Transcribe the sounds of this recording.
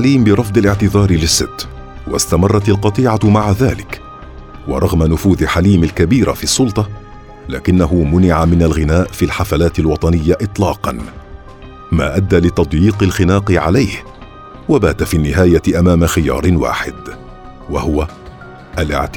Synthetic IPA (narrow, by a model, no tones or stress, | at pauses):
aliːmbɪɾˤɑfd̪ˤɪlɪʕt̪ɪðɑːɾˤɪlɪsːɪt̪ː | wa̰st̪amɑrˤːɑt̪alqɑt̪ˤiːʕamaʕaðaːlɪk | wɑ̰ɾˤɑɣmanʊfuːðɪħaliːmalkabiːɾa̰fiɑsˤːʊlt̪ˤɑ | la̰ːkɪnːaɦʊmʊnɪʕamɪnalɣɪnaːʔfiːlħafalaːt̪ɪlwɑt̪ˤɑnɪjːaʔɨt̪ˤlɑːqɑn | ma̰ːʔad̪ːaːlɪt̪ɑd̪ˤjiːqɪlxɪnaːqɪʕa̰lajh | wabaːt̪afiːnːɪɦaːjaʔamaːmaxɪjɑ̰ːɾˤɪwa̰ːħɪd̪ | wahʊwa | ʔalʔɪ̰ʕt̪